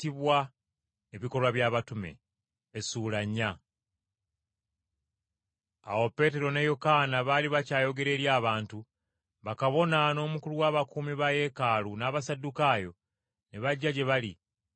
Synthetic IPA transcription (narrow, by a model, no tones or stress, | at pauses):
tiβwa | eβiko̞lwaβjaːβatume̞̰ː | suːlaɲːa | a̰wo̞pe̞ːte̞ɾo̞nejokaːnaβaliβacaːjo̞ɡe̞ɾe̞ːɾjaːβaːntu | βakaβo̞nano̞ːmukuluwaːβakuːmiβaje̞ːkaːlunaːβasadukaːjo̞ | neβaɟːaɟe̞βalḭ